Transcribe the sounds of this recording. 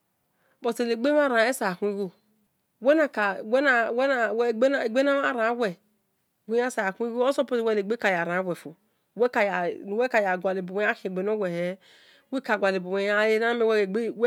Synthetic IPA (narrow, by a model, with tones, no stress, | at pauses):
bo˨te˨le˨ɡ͡be˦a˦˨ɾa˨e˦sa˨a˨kʷu˦i˦ɡo˦ | wɛ˦na˨ka˨wɛ˦na˨wɛ˦a˨wɡ͡be˨ɡ͡be˦na˦a˨ɾã˨˦wɛ˨ | ɡʷe˦a˦sa˨kʷi˦ɡo˦o˦so˦po˦te˨wɛ˦e˨ɡ͡be˦ka˨ja˨ɾã˨˦wɛ˨fo˨ | wɛ˦ka˨ja˨n˨wɛ˦ka˨ja˨ɡʷa˨le˨bo˨e˨˦a˦ki˨ɡ͡be˨no˦wɛ˨he˨˦ | we˦ka˨ɡʷa˨le˨bo˨we˨ja˦e˦ɾa˦me˨ww